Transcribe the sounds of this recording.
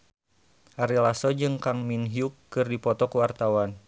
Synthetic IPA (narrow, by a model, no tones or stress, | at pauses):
ʔaɾilasɔd͡ʒɨŋkaŋminɦijukːɨrdipɔt̪ɔkuwart̪awan